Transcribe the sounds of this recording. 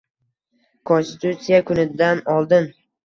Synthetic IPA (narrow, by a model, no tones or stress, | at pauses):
kʰonst̪ɪt̪ʰut̪sijakʰʊnɪd̪anɒlˠd̪ɪn